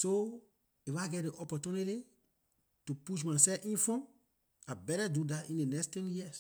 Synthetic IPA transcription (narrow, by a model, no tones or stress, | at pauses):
so | efaɡɛt̚deʔɔpɔtuniti | tupuʃmasɛfĩnfɔ̃m | abɛɾadudatĩndenɛkstɛ̃njiəs